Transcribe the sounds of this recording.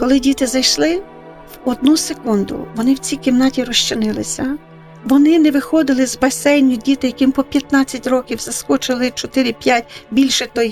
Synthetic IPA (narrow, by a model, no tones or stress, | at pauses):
kɔlˠɪdʲit̪ɪzɐjʃlˠɪ | wɔd̪̚nusekund̪ʊ̰ʋɔnɪwt͡sʲijkɪmnɑtʲiɾɔʃt͡ʃɪnɪlˠɪsʲɐ | ʋɔnɪnɛʋɪxɔd̪ɪlˠɪzbɐsɛnʲːʊdʲit̪ɪjɐkɪmpɔpʲjɐt̪nɑt͡sʲːɐtʲrɔkʲiwzɐskɔt͡ʃɪlˠɪt͡ʃɔt̪ɪɾʲɪpʲjat̚ʲbʲilʲʃɛt̪ɔj